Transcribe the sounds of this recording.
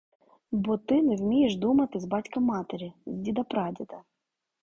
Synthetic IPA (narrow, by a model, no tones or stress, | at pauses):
bɔt̪ɪnɛwmʲijɛʐd̪umɐt̪ɨzbɑtʲkɐmːɑt̪eɾʲizʲdʲid̪ɐpɾɑdʲɪd̪ɐ